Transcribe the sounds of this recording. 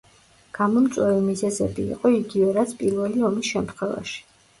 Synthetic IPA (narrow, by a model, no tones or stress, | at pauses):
ɡ̥amɔmt̪sʼwɛvimizɛzɛbḭːqʼɔiɡivɛɾat̪sʰpʼiɾvɛliɔmisʃɛmt̪ʰχwɛva̰ʃi̥